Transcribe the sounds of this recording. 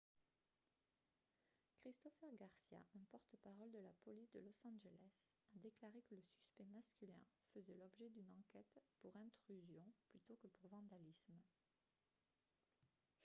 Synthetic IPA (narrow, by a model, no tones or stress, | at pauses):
kχist̪ɔfɛʁɡaʁsja̰ʔɛ̃pɔʁt̪əpaʁɔld̪əlapɔlisd̪əlɔsɑ̃ʒelɛsad̪eklaʁekələsy̥spɛmaskʲylɛ̰̃fəzɛlɔbʒɛd̪ynɑ̃kʲɛt̪puʁɛ̃t̪χyzjɔ̃plyt̪okəpuʁvɑ̃d̪alism